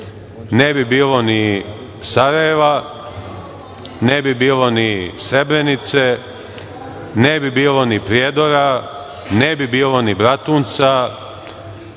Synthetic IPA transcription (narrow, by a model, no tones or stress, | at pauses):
nebibiːlo̞ni | saɾajeʋa | nebibiːlo̞nisɾe̞bɾenit̪se | nebibiːlo̞nipɾjeːd̪oɾa | nebibiːlo̞nibɾat̪uːnt̪sa